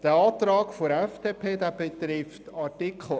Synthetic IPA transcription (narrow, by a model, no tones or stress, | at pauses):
d̥əɑːt̪ɾɑːkfoɾɛfd̥eːpʰeːdæːb̥et̪ɾɪftɑtɪkʰl̩